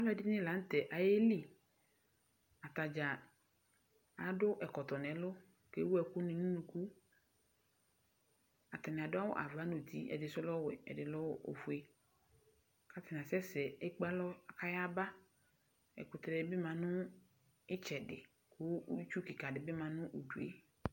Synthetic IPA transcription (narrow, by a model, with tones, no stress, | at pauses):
a˦lɔ˦ɛ˨dɪ˦nɪ̃˦la˨˦n̩˦t̪ɛ˨ʔa˨je˦li˦ | a˨t̪a˨d͡ʒa˨ | a˨dʊ˦ʔɛ˨kɔ˨t̪ɔ˨nɛ̃˨˦lʊ˦ | ke˦wu˦ɛ˨kʊ˦nɪ̃˨nũ˦nũ˨ku˦ | a˨t̪a˨nɪ̃˨a˨dʊ˦a˦wʊ˦ʔa̰˨va˨˦nu˨t̪i˦ɛ̰˨dɪ˨sʊ˦lɔ˦wḛ˨ɛ̰˨dɪ˨lɔ˦wʔo̰˨fu˨˦e˦ | ka˦t̪ɪ˨nã˨sɛ˦sɛ˨e˦k͡pa˦lɔ˦a˨ka˦ja˦ba˦ | ɛ̰˨kʊ˨t̪ɾɛ˨ɪ˦bɪ˦mã˨nʊ̃˦ | ɪ˦t͡ʃɛ˨dɪ̰˨ | kʊ˦t͡ʃu˦ki˨ka˨dɪ˨bɪ˦mã˨nʊ̃˦ʔu˨du˨ḛ˦